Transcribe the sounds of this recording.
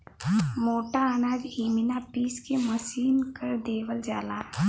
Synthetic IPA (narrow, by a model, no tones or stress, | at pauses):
moːʈaənaːd͡ʒiːmɪnapiːskeməsiːnkəɾd̪eːʋəld͡ʒaːlaː